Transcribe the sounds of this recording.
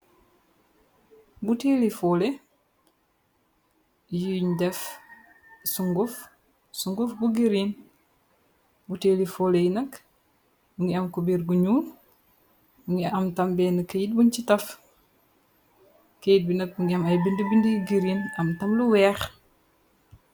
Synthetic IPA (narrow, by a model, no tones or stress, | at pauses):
butelifɔlɛ | jiɲdɛf | suŋɡuf | suŋɡufbuɡiɾin | buteːlifɔːlɛjinɐk | uŋɡiɐmkubiːɾɡuɲuːn | uŋɡiɐmtɐmbɛːnɐkːɐjit̚bunt͡ʃitɐf | kejit̚binɐk̚buŋɡiɐmɐjbindibindijɡiɾinɐmtɐmluwɛːx